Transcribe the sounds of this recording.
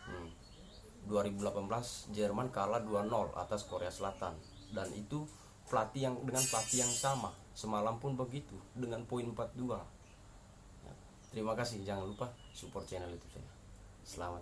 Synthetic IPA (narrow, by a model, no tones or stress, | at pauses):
duaɾibulapanbəlasd͡ʒɛrmankaladuanɔla̰t̪askoɾeasəlat̪an | danʔit̪u | plat̪ijaŋdəŋanplat̪ijaŋsama | səmalampʊnbəɡit̪udəŋanpoinmpat̪̚dua | ja̰ | t̪əɾimakasɪhd͡ʒaŋanlupa | supɔrt͡ʃɛnɛlit̪usa̰ja | səlamat̪̚